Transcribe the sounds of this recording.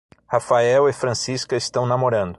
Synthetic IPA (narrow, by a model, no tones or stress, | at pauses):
hafaɛwɪfɾɐ̃siskɐɪst̪ɐ̃w̃namoɾɐ̃nd̪ʊ